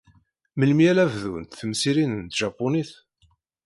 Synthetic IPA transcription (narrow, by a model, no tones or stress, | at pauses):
məlmjælævðunt̪θəmsiɾinənt̪ʒ̥ɑpːʊniθ